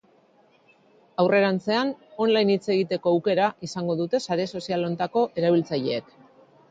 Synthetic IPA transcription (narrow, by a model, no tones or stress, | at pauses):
awre̞ɾant͡se̞ano̞nlajnit͡se̞ɣit̪e̞ko̞awke̞ɾaʔisaŋɡo̞ðut̪e̞saɾe̞so̞sialo̞nt̪ako̞ʔe̞ɾaβ̞ilt͡saʎe̞ːk